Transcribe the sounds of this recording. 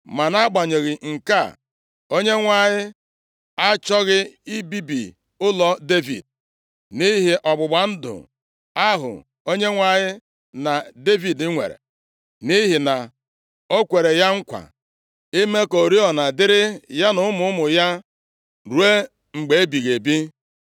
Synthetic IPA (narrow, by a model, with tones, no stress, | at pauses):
ma˨na˦ɡ͡ba˨ɲe˨ɣɪ˨ŋ̩˨ka̰˦˨ | o˦ɲe˦ŋʷa˨ɲɪ˦ | a˦t͡ʃɔ˦ɣɪ˦i˦bi˦bḭ˨ | ʊ˦lɔ˦de˦vḭ˨d̚ | ni˦ɦi˨ʔɔ˨ɡ͡bʊ˨ɡ͡ba˨n̩˦dʊ̰˨ | a˦ɦʊ̰˨ | o˦ɲe˦ŋʷa˨ɲɪ˦ | na˨de˦vi˨dɪ˦ŋʷḛ˨ɾḛ˨ | ni˦ɦi˨na˨ | o˦kʷe˨ɾe˨ja˦ŋ̩˦kʷa̰˨ | ɪ˦me˦ko˨ɾi˦ɔ˨na˨dɪ˦ɾɪ˦ja˦nʊ˦mʊ˨˦ʊ˦mʊ˨ja˦ | ɾu˨˦e˦ | ŋ͡m̩˨ɡ͡be˨e˦bi˨ɣe˨bi˦